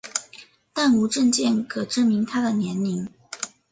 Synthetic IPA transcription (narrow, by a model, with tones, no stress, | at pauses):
t̪a˥˩nu˧˥ʈ͡ʂə˥˧ŋt͡ɕjɛ˥˩nkʰɤ˨˩ʈ͡ʂə˥˩nmi˧˥ŋt̪ʰa˥d̪ə˨njɛ˧˥nli˧˥ŋ